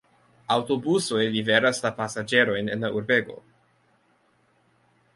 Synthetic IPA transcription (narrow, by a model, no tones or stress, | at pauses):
awto̞busojliveɾaslapasad͡ʒe̞ɾo̞jnḛnlauɾve̞ɡo̞̰